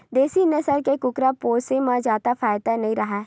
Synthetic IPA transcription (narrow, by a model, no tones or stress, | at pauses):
d̪eːsinesəɾkekʊkɾapoːsemãd͡ʒaːt̪afʰaːɪd̪anɐɦĩɾɐɦaː